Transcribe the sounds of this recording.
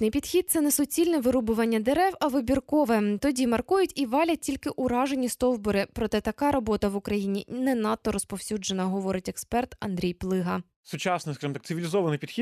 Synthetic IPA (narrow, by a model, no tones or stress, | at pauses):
nɪjpʲid̪xʲid̪̚t̪sɛnɛsʊt͡sʲilʲnɛʋɪɾubʊʋɐnʲːɐd̪eɾɛwɐʋɪbʲirkɔʋɛt̪ɔdʲimɐrkujʊtʲiʋɑlʲɐt̚ʲtʲilʲkɪʔʊɾɑʒe̞nʲist̪ɔwbɔɾɪpɾɔt̪ɛt̪ɐkɑɾɔbɔt̪ɐʋʊkɾɐjinʲinɛnɑt̪ːɔɾɔspɔwsʲud͡ʒenɐɦɔʋɔɾɪtʲɛkspɛrt̪ɐnd̪ɾʲijplˠɪɦɐ | sʊt͡ʃɑsnɪskɐʒɨmt̪ɑ̥k̪sɨʋʲilʲɪzɔʋɐnɪjpʲid̪xʲi